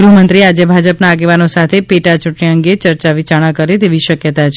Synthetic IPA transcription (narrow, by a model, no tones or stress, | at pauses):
ɡɾumənt̪ɾiad͡ʒebʱad͡ʒəpnaːɡeʋanosat̪ʰepeʈat͡ʃʊʈɳiəŋɡet͡ʃəɾt͡ʃaʋit͡ʃaɽ̃ãkəɾet̪eʋiʃəkjət̪at͡ʃʰ